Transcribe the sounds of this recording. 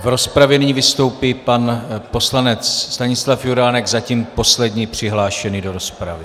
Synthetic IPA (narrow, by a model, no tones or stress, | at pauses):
vɾo̞spɾavjɛnɪɲivɪst̪o̞wpiːpanpo̞slanɛt͡sst̪aɲɪslafjuɾaːnɛɡzaciːmpo̞slɛdɲipr̝̥ɪɦlaːʃɛnido̞ɾo̞spɾavɪ